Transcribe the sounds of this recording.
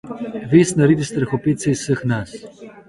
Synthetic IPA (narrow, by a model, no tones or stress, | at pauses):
ʋeːsnaɾeːd̪ist̪ɾɐxɔpeːt̪sɛisəxnas